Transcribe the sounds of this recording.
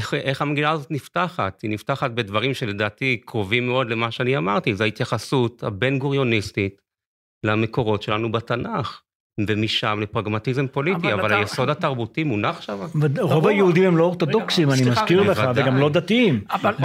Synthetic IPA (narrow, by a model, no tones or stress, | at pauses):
ʔeχhameɡinaːzo̞t̪niftaχat̪inift̪aχat̚be̞dvaʁimʃele̞daːtikʁo̞vimːeo̞d̪lemaʃeaniamaʁtizohait̪jaχasut̪ha̰be̞nɡuʁjo̞nist̪it | leame̞ko̞ʁo̞tʃe̞lanubat̪anaχ | vemiʃamlepʁaɡmat̪izempo̞lit̪iavalaajeso̞d̪hat̪aʁbutimunaχʃavaʁovajeud̪imemlooʁt̪odoksimanimaskiʁleaveɡamlo̞d̪at̪iim